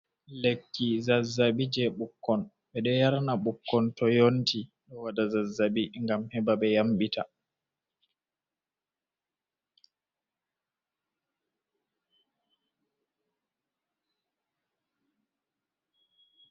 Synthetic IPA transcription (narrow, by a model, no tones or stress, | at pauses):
lekːizazːaɓid͡ʒɛɓukːɔn | ɓɛɗɛjaɾnaɓukːɔntɔjontʰiɗɔwadazazːabiŋɡamhɛbaɓɛjamɓitʰa̰